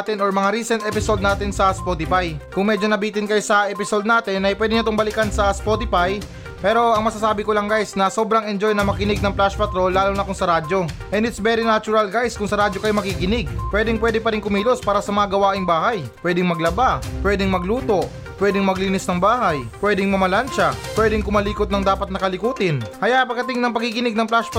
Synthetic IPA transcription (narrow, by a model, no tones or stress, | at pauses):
t̪ɪnʔoɹmɐŋaɾiːsɛnt̪ɛpɪsod̪naːt̪ɪnsɐspot̪ɪpajkʊŋmɛd͡ʒo̞nɐbiːt̪ɪnkɐjosɐʔɛpɪsod̪naːt̪ɪnʔɐjpwɛːd̪ɪɲɐt̪ʊŋbɐlɪkɐnsɐspot̪ɪfaj | pɛːɾo̞ɐŋmɐsaːsaːbɪkolɐŋɡajsnɐso̞bɾɐŋɛnd͡ʒo̞jnɐmɐkɪnɪɡ̚nɐŋplaʃpɐt̪ɾo̞lːaːlonɐkʊŋsɐɾaːd͡ʒo̞ʔɛnd̪ɪt̪sbɛɾɪnat͡ʃʊɾɐlɡajskʊŋsɐɾaːd͡ʒokɐjomɐkikɪnɪɡpwɛd̪ɪŋpwɛːd̪ɪpɐɾɪŋkʊmiːlospaːɾɐsɐmɐŋaɡɐwaːʔɪŋbaːhajpwɛːd̪ɪŋmɐɡlɐbapwɛːd̪ɪŋmɐɡluːt̪o̞ | pwɛːd̪ɪŋmɐɡliːnɪsnɐŋbaːɦɐjpwɛːd̪ɪŋmɐmɐlanʃɐpwɛːd̪ɪŋkʊmɐliːkot̪nɐŋd̪aːpɐt̪̚nɐkɐlɪkuːt̪ɪnhɐjaʔpɐɡ̚ɐt̪ɪŋnɐŋpɐɡ̚ɪkɪnɪɡ̚nɐŋplaʃp